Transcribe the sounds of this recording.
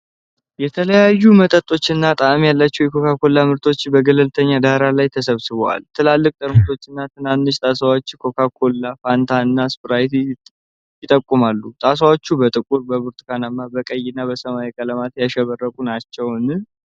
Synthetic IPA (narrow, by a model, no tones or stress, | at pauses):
jɛt̪ʰələjajːumət̪ʼət̪ʼo̞t͡ʃːɨnːat̪ʼaʔmijalːat͡ʃːɛwjɛkʰo̞kʰakʰo̞lːamɨɾt̪ʰo̞t͡ʃːbəɡələlt̪ʰəɲːad̪aɾalajt̪ʰəsəβsɨβəwa̰lt̪ʰɨlalːɨkʼt̪ʼɨɾmɨt̪ʰo̞t͡ʃːɨnːat̪ʰɨnanːɨʃt̪ʼasawot͡ʃːkʰo̞kʰakʰo̞lːafant̪ʰaɨnːaspɨɾajt̪ʰi | jɪt̪ʼəkʼːumalːut̪ʼas̬awot͡ʃːubət̪ʼɨkʼuɾbəβuɾt̪ʰkʰanamːabəkʼəjːɪnːabəsəmaikʼələmat̪jaʃɛβərːəkʼunat͡ʃːɛwn